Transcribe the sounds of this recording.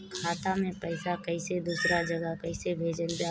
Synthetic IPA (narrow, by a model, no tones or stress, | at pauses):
kʰaːt̪amẽpəɪsakɐɪsed̪uːsɾad͡ʒəɡəɦkɐɪsebʱeːd͡ʒənbe